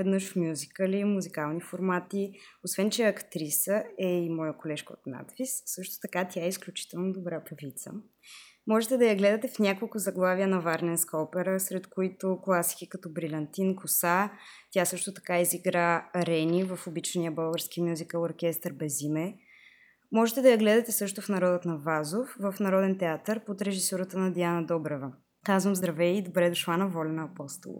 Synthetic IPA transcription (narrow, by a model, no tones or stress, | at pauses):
ɛd̪nɤʃfmʲjuzikəlimuzikalˠnifoɾmat̪iosvɛnt͡ʃɛɐkt̪ɾisəɛimɔjəkolɛʃkəo̰t̪na̰t̪vissɤʃt̪o̥t̪ɐkat̪ʲaɛisklʲut͡ʃi̥t̪ɛlˠnod̪obɾapɾɐvit̪sə̰ | mɔʒɛt̪ɛd̪ɐjɐɡlɛd̪ɐt̪ɛfnʲakolˠkʊzɐɡlˠaviənɐvaɾnɛnskɔpɛɾəsɾɛt̪koit̪oklˠasi̥kikɐt̪ɔbɾilʲɐnt̪inkosat̪ʲjasɤʃt̪ʊt̪ɐ̥kaiziɡɾaɾɛnʲivəfʊbit͡ʃnijəbɤlˠɡəɾsk̟imʲjuzikəlˠoɾkʲɛst̪əɾbɛzimɛ | mɔʒɛt̪ɛd̪ɐjɐɡlɛd̪ɐt̪ɛsɤʃt̪ʊfnɐɾɔd̪ət̪nɐvazofvəfnɐɾɔd̪ɛnt̪ɛat̪əɾpot̪ɾɛʒisoɾət̪ənɐd̪ianɐd̪ɔbɾɛvə | kazvəmzd̪ɾɐvɛid̪obɾɛd̪ʊʃlˠanɐvɔlʲɛnɐɐpɔst̪o̰l̰ˠ